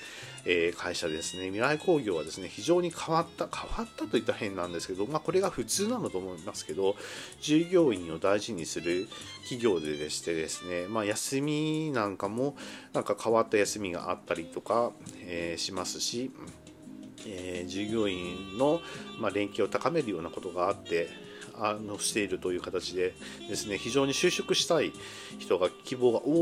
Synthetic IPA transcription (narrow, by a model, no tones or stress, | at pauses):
eːkʰaiɕad̪e̞sɨne̞mʲiɾaiko̞ːɡʲo̞ːβad̪e̞sɨne̞çiʑo̞ːɲ̟ikʰaβat̪ːakʰaβat̪ːat̪o̞it̪ːahẽ̞nːãnd̪e̞sɨ̥ke̞d̪o̞maːko̞ɾe̞ɡaɸɯ̟t͡sɨːnanot̪o̞ːmoimasɨ̥ke̞d̪o̞d͡ʑɨːɡʲo̞ːĩɰ̃o̞d̪aiʑiɲ̟isɨɾɯ̟ | kʲiɡʲo̞ːd̪e̞d̪e̞ɕi̥t̪e̞d̪e̞sɨ̥ne̞majasɨmʲinãŋkamo̞nãŋkakʰaβat̪ːajasɨmʲiɡa̰ʔa̰t̪ːaɾʲit̪o̞kaeːɕimasɨ̥ɕi | ed͡ʑɨːɡʲo̞ːĩno̞maɾẽ̞ŋkʲio̞t̪akame̞ɾɯ̟jo̞ːnako̞t̪o̞ɡaːt̪ːe̞ | anoɕi̥t̪e̞iɾɯ̟t̪o̞jɯ̟ːkat̪at͡ɕid̪e̞ | d̪e̞sɨne̞çiʑo̞ːɲ̟iɕɨːɕokɯ̟ɕi̥t̪ai | çi̥t̪o̞ɡakʲibo̞ːɡaʔoː